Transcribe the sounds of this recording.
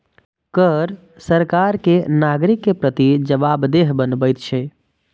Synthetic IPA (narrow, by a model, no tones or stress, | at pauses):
kəɾ | səɾkaɾkenaɡɾikːepɾət̪id͡ʒəbabd̪eɦbənbəjt̪t͡ʃʰɛ